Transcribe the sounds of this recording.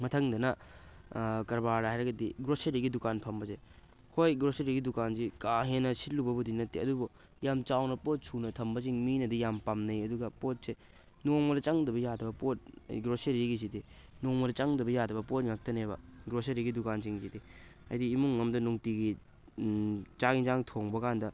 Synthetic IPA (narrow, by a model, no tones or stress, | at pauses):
mɐtʰɐŋdɐnɐ | kɐɾbaɾɾaajɾɐɡɐdiɡɾoseɾiɡidukanpʰɐmbɐze | kʰojɡɾoseɾiɡidukanzikaɦenːɐsit̚lubɐbudinɐtːeɐdubu | jamt͡ʃawnɐpot̚sʰunɐtʰɐmbɐziŋminɐdijampamnɐjɐduɡɐpot̚se | noŋmɐdɐt͡ʃɐŋdɐbɐjadɐbɐpot̚iɡɾoseɾiɡis̬idi | noŋmɐdɐt͡ʃɐŋdɐbɐjadɐbɐpot̚ŋak̚tɐnebɐ̰ɡɾoseɾiɡidukanziŋzidi | ɐ̰jdiːmuŋːɐmdɐnuŋtiɡi | t͡ʃaɡizaŋtʰoŋbɐkʰandɐ